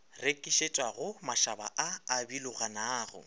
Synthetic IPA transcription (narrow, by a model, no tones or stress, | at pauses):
rekʼiʃet͡ʃʼwaɣʊmaʃaba̰ʔaːbilʊɣanaːɣʊ̰